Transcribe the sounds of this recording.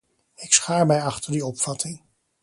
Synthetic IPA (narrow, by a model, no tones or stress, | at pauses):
ɪksχaːɹmɛjɑχtəɹdiɔpfɑtɪŋ